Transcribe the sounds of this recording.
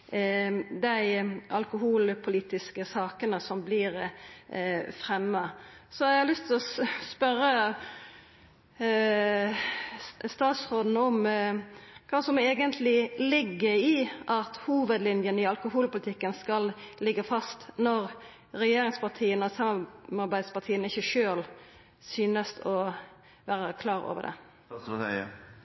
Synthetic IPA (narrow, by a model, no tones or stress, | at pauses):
d̪æɪʔɑlkʊhuːlpʰʊliːt̪ɪskəsɑːkənəsɔmblɪɾ | fɾɛmːəsɔɛhɑlʏst̪ʰɪlɔspœɾːə | st̪ɑːt̪sʁoːd̪n̩ɔm | kʰɑːsɔmeːɡənt̪ʰlɪlɪɡːəɾɪʔɑt̪huːʋəd̪lɪnjənəɪɑlkʊhuːlpʊlɪt̪ʰɪkːənskɑllɪɡːəfɑst̪nɔʁ | ɾɛjeːɾɪŋspɑt̪ʰiːənɔsɑmɑmɑɾbæɪd̪spɑt̪ʰiːənɪçːəʃøːl | syːnəst̪ʰɔ | ʋæːɾəkʰlɑːɾo̰ːʋə̰d̪ɛ̰